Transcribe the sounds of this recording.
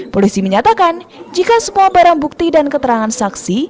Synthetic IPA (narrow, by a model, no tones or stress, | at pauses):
polisiməɲat̪akand͡ʒikasəmuabaɾaŋbuk̚t̪idankət̪əɾaŋansaksi